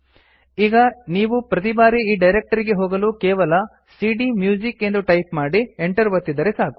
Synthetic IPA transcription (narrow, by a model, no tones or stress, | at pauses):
iːɡɐniːʋupɾɐt̪ibaːɾiiːɖɐjɾek̚ʈɐɾiɡe̞ɦoːɡɐluːkɛːʋɐlɐ | siːɖimjuːd͡ʒike̞nd̪uʈɐjpmaːɽieɳʈɐɾʋɐt̪ːid̪ɐɾesaːku̥